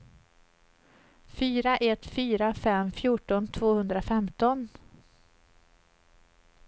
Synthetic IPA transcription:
fyːɾaʔɛt̪fyːɾafɛmfjuːʈɔnt̪ʰvoːhɵnd̪ɾafɛmt̪ɔn

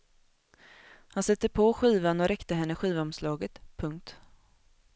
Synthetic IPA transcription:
hansɛt̪ːəɾpʰɔɧiːvanɔɾɛkt̪əɦɛnːəɧiːvaɔmslɑːɡət̪pʰɵŋk̚t̪

